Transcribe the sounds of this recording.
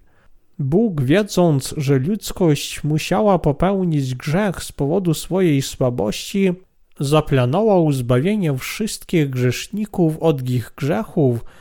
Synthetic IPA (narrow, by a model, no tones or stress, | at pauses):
buɡvʲjɛd̪zɔnt̪sʐɛlʲut̪skɔɕt͡ɕmuɕawapɔpɛwɲid͡ʑɡʐɛxspɔvɔd̪usfɔjejswabɔ̰ɕt͡ɕi | zaplanɔvawzbavʲjeɲɛfʂɘst̪kʲiɣɡʐɛʂɲikufɔd̪iɣɡʐɛxuf